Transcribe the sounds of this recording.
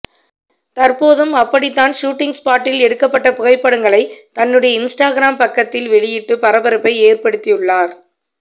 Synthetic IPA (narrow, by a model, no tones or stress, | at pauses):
t̪ɐɾpoːðɯmɐpːɐɽɪt̪ːaːnʂuːʈːɪŋspaːʈːɪlɛɽɯkːɐpːɐʈːɐpʊɣɐɪpːɐɽɯŋɡɐɭɐɪt̪ɐnːɯɽɐjɐɪnsʈaːɣɪɾaːmpɐkːɐt̪ːɪlʋɛɭɪjɪʈːɯpɐɾɐbɐɾɯpːɐɪeːrpɐɽɯt̪ːɪjɯɭːaːɾ